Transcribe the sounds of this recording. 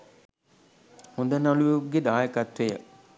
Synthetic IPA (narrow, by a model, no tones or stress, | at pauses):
hũnd̪ənalujeɡed̪aːjəkat̪ʋejə̰